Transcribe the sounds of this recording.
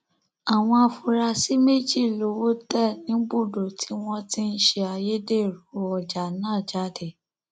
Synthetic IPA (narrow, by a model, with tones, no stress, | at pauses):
a˨w̃ɔ̃˧a˧fu˧ɾa˧si˦me˦d͡ʒi˦˨lo˨˦wo˦tɛ˦˨nĩ˨˦ɡ͡bu˦˨do˨ti̥˨˦w̃ɔ̃˦ti˦n̩˦ʃe˧a˧je˦de˦˨ɾu˨˦ɔ˨d͡ʒa˨nãː˦˨d͡ʒa˦˨de˨